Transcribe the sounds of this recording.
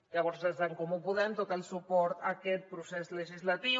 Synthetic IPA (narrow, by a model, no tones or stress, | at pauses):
ʎaβɔɾzəzðaŋkɔmupuðɛmt̪ot̪əlˠsupɔɾt̪akɛt̪̚pɾusezləʒizlat̪i